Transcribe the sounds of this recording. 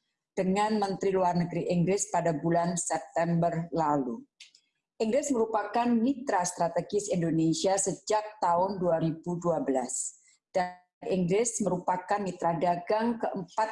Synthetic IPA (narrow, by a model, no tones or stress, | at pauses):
d̥əŋanmənt̪ɾiluarnəɡɾiʔiŋɡɾɪspadabulansɛp̚t̪ɛmbərlalu | ʔiŋɡɾɪsməɾupakanmit̪ɾast̪ɾat̪eɡɪsindonesiasəd͡ʒak̚t̪aʊnduaɾibuduabəlas | d̥a | niŋɡɾɪsməɾupakanmit̪ɾadaɡaŋkəʔəmpa